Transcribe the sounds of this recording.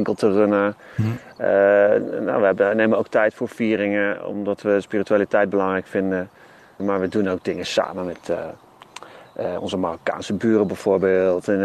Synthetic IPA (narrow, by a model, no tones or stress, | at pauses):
ŋkəlˠtʰərønə | əna̰ʋəɛbənejmənowk̚tɛjtfoːɹfiːərɪŋəɔ̰mdɔtʋəspiːrityaːlitɛjd̚bəlɑŋrɛjkfɪndə | maːɹʋədunowk̚dɪŋəsa̰ːmənmɛt | ɔ̰nzəmaroka̰ːnsəbyːrəbɛjv̥oːɹbeːlˠtɛn